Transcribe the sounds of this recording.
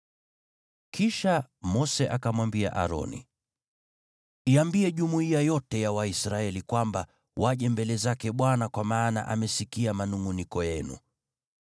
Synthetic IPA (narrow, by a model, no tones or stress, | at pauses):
kʰiʃamɔsɛʔakamwambia̰ʔa̰ɾɔ̰nḭ | iambiɛʄumuiajɔtɛjawaisɾaɛlikwamba | wʔaʄɛmbɛlɛzakɛɓwanakwamaːna̰ʔa̰mɛsikiamanuŋunikɔjɛnṵ